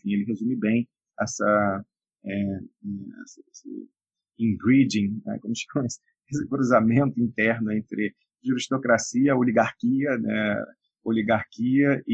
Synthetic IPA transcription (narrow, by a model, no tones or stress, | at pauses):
fĩelɪɦezũmɪbẽj̃ | ɛsɐ | ɛɛɛ̰sɐesɪ̰ | ĩɡɾid͡ʒĩnɛ̰kõmʊʃɐw̃s | esɪkɾuzamẽnt̪ʊĩnt̪ɛɾnʊẽnt̪ɾɪ | ʒuɾiʃt̪okɾasiɐoliɡaɾkiɐnɛ̰ | oliɡaɾkiɐɪ